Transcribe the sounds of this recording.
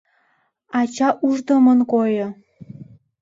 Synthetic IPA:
ɑt͡ɕɑʔuʒd̪omənkojɤ

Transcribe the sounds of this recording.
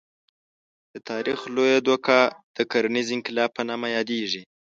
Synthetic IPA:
d̪̥ət̪ʰɑɾixlojad̪okad̪̥əkaɾanizɪŋkɪlɑpːənɑmajɑd̪eʐi

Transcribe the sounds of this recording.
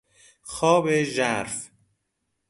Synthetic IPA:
xɒːbeʒæɾf

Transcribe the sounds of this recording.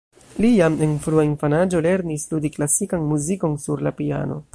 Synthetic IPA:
lijame̞nfɾuainfanad͡ʒo̞le̞ɾnisludiklasikanmuziko̞nsuɾlapia̰no̞̰

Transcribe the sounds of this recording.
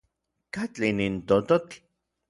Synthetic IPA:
kat͡ɬinint̪ot̪ok

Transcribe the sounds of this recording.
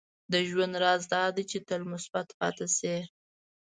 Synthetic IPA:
d̪əʒwand̪ɾɑzd̪ɑd̪et͡ʃet̪əlmʊsbat̪pɑ̰t̪ase

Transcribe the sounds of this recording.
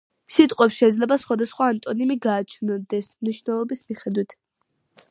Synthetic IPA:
sit̪ʼqʼwɛpsʃɛid̪zlɛbasχwad̪asχwaːnt̪ʼɔnimiɡaːt͡ʃʰnɔd̪ɛsmniʃvnɛlˠɔbismiχɛd̪wit̪ʰ

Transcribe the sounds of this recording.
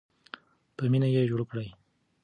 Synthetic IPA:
pəminajeʒoɽkɽaj

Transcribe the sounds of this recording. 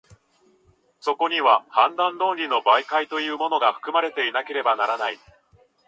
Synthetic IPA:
so̞ko̞ɲ̟iβahãnd̪ãnd̪õ̞ːnʲɾʲino̞baikait̪o̞jɯ̟ːmo̞no̞ɡaɸɯ̟̥kɯ̟maɾe̞t̪e̞inake̞ɾe̞banaɾanai

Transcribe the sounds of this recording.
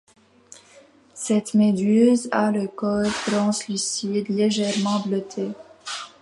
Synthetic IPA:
sɛt̪med̪øzaləkɔllɑ̃slisid̪leʒɛʁmɑ̃blət̪ʰe

